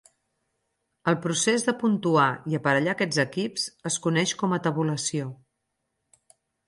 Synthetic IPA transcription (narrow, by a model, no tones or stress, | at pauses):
əlˠpɾusezðəpunt̪uaiəpəɾəʎakɛd͡zəkipsəskunɛʃkɔmət̪əβuləsio